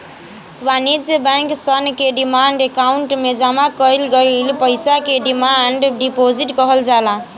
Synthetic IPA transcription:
wanid͡zebaŋksʌnkeɖimaɳɖekauɳʈmed͡zamakʌjlɡʌjlpʌjsakeɖimaɳɖɖipod͡ziʈkʌɦʌld͡zalã

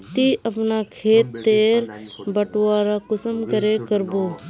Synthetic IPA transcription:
t̪iʔəpnakʰeːt̪ːeːɾbəʈwaːɾakʊsəmkəɾekəɾboː

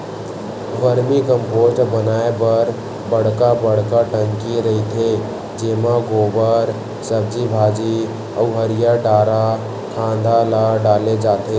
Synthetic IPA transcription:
ʋəɾmikəmpoʈbənaːebəɾ | bəɽ̤kabəɽ̤kaʈə̃ŋkiɾəɦit̪ʰe | d͡ʒeːmaɡoːbəɾ | səb̚d͡ʒibʱaːd͡ʒi | ɔ̰uɦəɾijaɖaːɾa | kʰãːnd̪alaɖaːled͡ʒaːt̪e

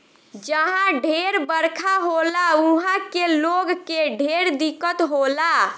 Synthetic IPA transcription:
d͡ʒəɦãɖʱeɾbəɾkʰaɦolauɦãkeloɡkeɖʱeɾd̪ikət̪ɦola

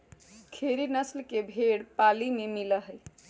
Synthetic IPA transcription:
kʰeɾinəslkebʱeɽpalimemiləɦəj

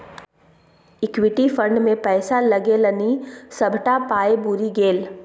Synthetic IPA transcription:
ɪkwɪʈifə̃ɳɖmẽpɛːsalɐɡelɐnisɐbʱʈapaːebʊɾiɡeːl

